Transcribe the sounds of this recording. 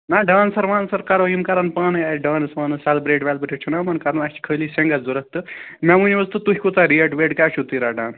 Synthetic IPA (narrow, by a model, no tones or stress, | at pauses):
naɖãːnsɐɾʋãːnsɐɾkɐɾojimkɐɾɐnpaːnɨaɖãːnɨsʋaːnɨsɛlbɾeːʈʋɛlbɾʰit͡ʃʰunamɐnkɐɾɐnɐt͡ʃʰi̥kʰəːliːseŋɡɐzuɾɐk̚t̪ɨmemunʋozt̪ɨt̪uɦʲikut̪aɾiɐʈʋeːʈkaːt͡ʃʰut̪iɾaːɖaːn